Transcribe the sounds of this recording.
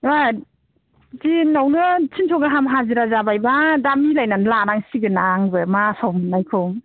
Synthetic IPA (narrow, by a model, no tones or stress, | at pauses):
a | tinawnɯt͡ʃʰintʰɔɡaɦamɦaziɾazabajbadamilajnanlanaŋsiɡɯnaŋbɯmasawmɯnlajkʰɔŋ